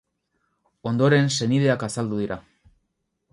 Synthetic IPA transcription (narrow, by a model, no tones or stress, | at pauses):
o̞nd̪o̞ɾe̞nse̞niðe̞akasald̪uð̞iɾa